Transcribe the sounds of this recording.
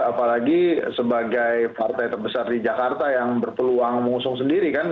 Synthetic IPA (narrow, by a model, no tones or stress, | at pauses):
apalaɡisəbaɡajpart̪ajt̪ərbəsardid͡ʒakart̪ajaŋbərpəluaŋməŋusʊŋsəndiɾikan